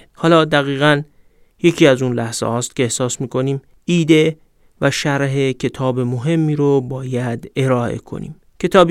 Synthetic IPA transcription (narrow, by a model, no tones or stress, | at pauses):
hɒːlɒːd̪æɣiːɣæn | je̞cʰiːæzunlæhz̥ḛhɒːst̪̚cʰʲe̞ehsɒːsmiːkʰo̞niːm | iːd̪e̞ | væʃæɾɦecʰe̞t̪ʰɒːbemoɦe̞mːiːɾobɒːjæd̪e̞ɾɒːʔe̞̰kʰo̞̰nḭːm | cʰe̞t̪ʰɒːb